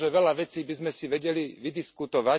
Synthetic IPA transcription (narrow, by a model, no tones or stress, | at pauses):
ʒɛʋɛlaʋɛt͡siːbizmɛsiʋɛɟɛliʋid̪iskut̪ɔʋa